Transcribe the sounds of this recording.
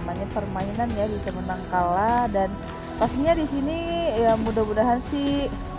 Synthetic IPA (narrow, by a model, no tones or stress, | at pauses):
maɲapərmainanjadisəmənaŋkaladan | past̪iɲadisiniəmudamudaɦansi